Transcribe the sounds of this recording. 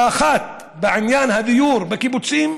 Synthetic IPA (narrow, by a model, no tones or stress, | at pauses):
axaːt̪̚ | baʕɪnjaːnhad̪ɪjuːɾˤbakibʊtsiːm